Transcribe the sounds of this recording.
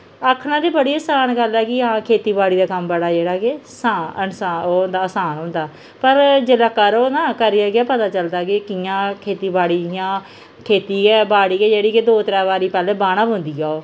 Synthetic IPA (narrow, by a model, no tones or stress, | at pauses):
əkʰːnãːd̪iːbəɽiːəːsaːnɡəlɛːkɪɦãːkʰeːt̪iːbaːɽiːd̪aːkəmbəɽaːd͡ʒeːɽaːkesaːənsaːoːnd̪aːəsaːnɦõːnd̪aː | pəɾd͡ʒɪlaːkːaːɾonãːkəɾiːaːɡɪaːpət̪aːt͡ʃəld̪aːkɪkɪjãːkʰeːt̪iːbaːɽiːjãː | kʰeːt̪iːɛːbaːɽiːkeːd͡ʒeːɽiːkɪd̪oːt̪əɾɛːʋaːɾiːpɛːleːbaːɽ̃ãːbʊ̃nd̪iːaːoː